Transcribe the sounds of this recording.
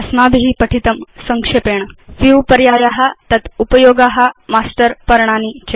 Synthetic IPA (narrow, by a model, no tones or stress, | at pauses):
ɐsmab̪ɦipəʈʰit̪əmsəŋkʂepeːɳfupɐɾjajaɦat̪ɐt̪upəjoːɡaɦamasʈəɾpɐɾɳanit͡ɕe